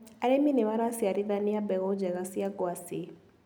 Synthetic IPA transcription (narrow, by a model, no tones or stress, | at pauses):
aɾɛminiβaɾasiaɾiðaniabɛɣɔd͡ʒɛɣasiaɡwasi